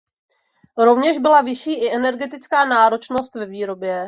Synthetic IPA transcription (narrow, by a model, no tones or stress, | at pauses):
ɾo̞vɲɛʒbɪlavɪʃiːʔɪʔɛnɛɾɡɛt̪ɪt͡skaːnaːɾo̞t͡ʃnost̪vɛviːɾo̞bjɛ